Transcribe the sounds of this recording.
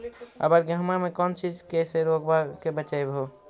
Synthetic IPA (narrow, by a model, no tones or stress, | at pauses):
ə̰bəɾɡəɦmamekɔːnt͡ʃid͡ʒkeseɾokbakebət͡ʃajbʱɦo